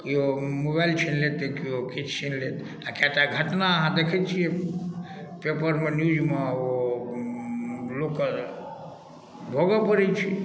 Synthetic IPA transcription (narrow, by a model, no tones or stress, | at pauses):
kiomobajlt͡ʃʰinlet̪ekiokit͡ʃʰt͡ʃʰinlet̪ | akat̪aɡʱəʈnaəɦãd̪ekʰet͡ʃʰie | pepəɾmẽnjud͡ʒmão | lokə | bʱoɡəpəɾɛt͡ʃʰi